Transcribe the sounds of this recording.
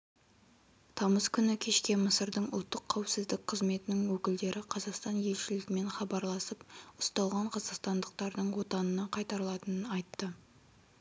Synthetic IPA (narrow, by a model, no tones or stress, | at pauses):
t̪ʰɑməskʲʰʏnɪkʲʰe̞ʃkʲe̞məsəɾd̪əɴʊ̰lˠt̪ːəqʰːawpsɪzd̪ɪk̚ʲqʰəzme̞t̪ɪnɪŋwɵkʲɪld̪e̞ɾʔɪqʰɑzɑqst̪ɑnje̞lʃɪlɪɡʲɪme̞nχɑbɑɾlˠɑsəp̚ʊst̪ɑlˠʁɑɴqʰɑzɑqst̪ɑnd̪əq̚t̪ɑɾd̪əɴwo̞t̪ɑnənɑqʰɑjt̪ɑɾlˠɑt̪ənənɑjt̪ːə